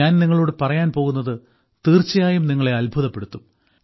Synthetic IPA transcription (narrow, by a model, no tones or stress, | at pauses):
aːnniŋːɐɭo̞ːɽɨpɐrɐjaːnpo̞ːɣunːɐðɨ | t̪iːrt͡ɕːɐjaːjumniŋːɐɭe̞ɐlbʱuðɐpːe̞ɽut̪ːum